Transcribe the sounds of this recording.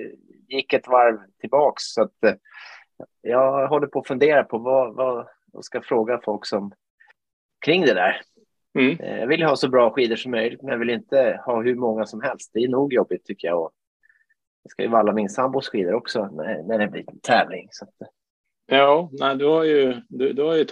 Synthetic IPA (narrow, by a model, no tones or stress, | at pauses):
jɪkːɛt̪vaɾvt̪ʰɪlbɑːksːat̪ | jɑːɡɦɔlːəɾpʰɔːfɵnd̪eːɾapʰɔvava | va̰skafɾoːɡafɔlksɔm | kʰɾɪŋːd̪ɛd̪æ̰ːɾ | jɑ̰ɡvɪljhɑːsɔbɾɑːɧiːd̪əʂɔmːœjlɪɡ̚t̪mɛnjɑvɪlɪnt̪əhɑːɦɵmɔŋːasɔmɦɛlst̪̚d̪ɛːɳuːɡjɔbːɪt̪ʰːʏkːəja̰ɔ | d̪ɛska̰jɵ̰valːamɪnsambʊsɧiːd̪əɾɔksɔnæ̰næɖɛnlḭːt̪nt̪ʰɛːvlɪŋsat̪ | jɑːnæɪd̪ɵhaɾjɵd̪ʉd̪ɵhaɾjə